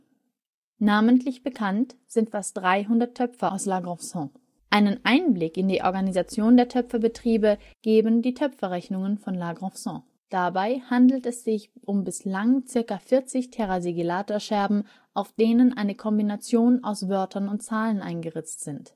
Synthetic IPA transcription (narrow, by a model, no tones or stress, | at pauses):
naːməntlɪçb̥əkʰantz̥ɪntfast̚d̥ʁaɪɦʊndɐtʰːœpfɐʊslaɡʁɔfsɔ̃ | ʔaɪnənʔaɪnblɪkɪndiːʔɔ̰ɐɡanizat͡sjoːndeːɐtʰœpfɐbətʁ̥iːbə | ɡ̥eːbən̩diːtʰœpfɐʁɛçnʊŋənfɔnlaɡʁɔfsɔ̃ | d̥abaɪhandl̩tɛsz̥ɪçʔʊmbɪslaŋt͡sɪɐkafɪɐt͡sɪçtʰɛʁaziɡilaːtoɐʃɛɐbm̩ | ʔaʊfd̥eːnənʔaɪnəkʰɔmbinat͡sjoːna̰ʊsv̥œɐtʰɐnʊntt͡saːlənʔa̰ɪnɡəʁɪt͡stz̥ɪnt